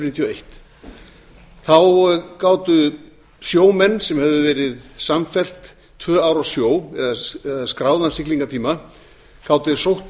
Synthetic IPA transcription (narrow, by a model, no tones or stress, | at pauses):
nit̪jɔejht̪ | θawkaːwt̪ʏ | sjoːwmɛnːsɛmhɛvðʏvɛːɾɪðsamfɛl̥t̪ʰ | vœːaːwɾasjoːwɛðaɛðaskɾaːwðansɪkliŋkat̪ʰiːma | kaːwt̪ʏsowht̪